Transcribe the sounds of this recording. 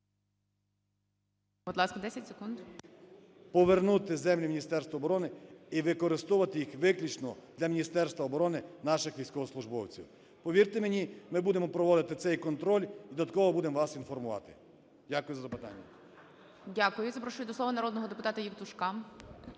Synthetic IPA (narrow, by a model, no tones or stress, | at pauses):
b̥ʊd̪ˠɑskɐd̪ɛsʲɐtʲse̥kund̪ | pɔʋernut̪ɪzɛmlʲimʲinʲist̪ɛrst̪ʋɐɔːbɔɾɔnɪiʋɪkɔɾɪst̪uʋɐt̪ɪjixʋɪklʲut͡ʃnɔd̪lʲɐmʲinʲist̪ɛrst̪ʋɐɔbɔɾɔnɪnɑʃɪxʋʲijsʲkɔʋɔslˠʊʒbɔwt͡sʲḭw | pɔʋʲirt̪emenʲimɪbud̪emɔpɾɔʋɔd̪ɪt̪ɪt̪sɛjkɔnt̪ɾɔlʲid̪d̪ɐt̪̚kɔʋɔbud̪emʋɑsinfɔrmʊʋɑ̰t̪ɪ̥̰ | dʲakʊjʊzɐzɐpɪt̪ɑ̰nʲːɐ̰ | dʲakʊjʊzɐpɾɔʃujʲd̪ɔslˠɔʋɐnɐɾɔd̪nɔɦɔd̪epʊt̪ɑt̪ɐjiwt̪ʊʃkɑm